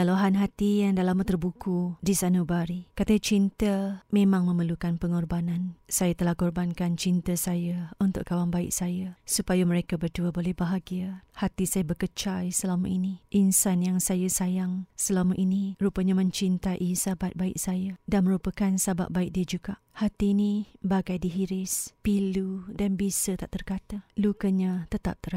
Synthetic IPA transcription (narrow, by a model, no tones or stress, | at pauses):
aluɦanɦat̪ijaŋdalamut̪ərbukudisanubaɾikat̪ət͡ʃint̪əmẽmãŋmə̃məlukanpəŋɔrbanansajat̪əlahɡɔrbankant͡ʃint̪əsajaunt̪ʊ̰ʔkawaŋbaɪ̰ʔ̚sajasupajaməɾekabərduəbolɛhbaɦaɡiahat̪isajabəkət͡ʃajsəlamaʔiniʔinsanjaŋsajasajaŋsəlaməʔinirupaɲamə̃ɲt͡ʃint̪aʔisabat̪̚baɪʔ̚sajadanmə̃ɾupakansaba̰ʔ̪̚baɪk̚diəd͡ʒuɡaʔhat̪iːnibaɡajdiɦiɾɪspiludanbisət̪aʔt̪ərkat̪alukəɲat̪ət̪a̰p̚t̪əɾa